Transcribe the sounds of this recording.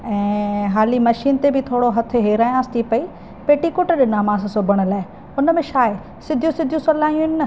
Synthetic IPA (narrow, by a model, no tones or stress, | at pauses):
ɛ̃ːɦaːlimɐʃiːnt̪ebʱɪt̪ʰoːɽoɦɐt̪ʰʊɦeːɾaːj̃ãːst̪ʰipɐi | peːʈikʊʈɗɪnaːmãːssʊbʱəɽ̃ə̆laːɦɪ | ʊnəmẽʃaːɪ | sɪd̪ʱjũsɪd̪ʱijũsɐlaːjũɦɪnnɐ